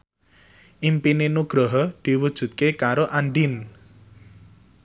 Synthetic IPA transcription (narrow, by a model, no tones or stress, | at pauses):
ʔimpinenuɡ̥ɾɔɦɔd̪̥i̤wud̥ʒ̥ṳt̪̚kekaɾoʔaɳɖin